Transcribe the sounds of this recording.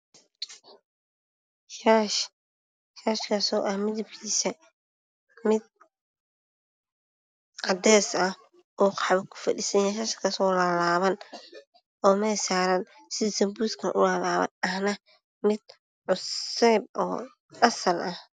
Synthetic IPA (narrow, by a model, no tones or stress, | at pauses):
ʃaʃ | ʃaːʃkʰaːsɔːʔɐhmɪðɐb̚kʰiːsɐ | mɪd̪̚ | qɑd̪ɛːsɐh | ɔːqɑħβɐkʰʊ̥fɐɗḭːsɐnjɛːʃaːʃkʰɐsɔːlɐlaːβɐn | ʔɔːmɛːsaːɾɐn | sɪsɐmbuːskʰɐnʔʊlɐlaːβɐ̰nɐhnɐ | mɪd̪̥̚ | ʕʊsɛːb̚ʔɔ̰ː | ɐsɐlʔɐh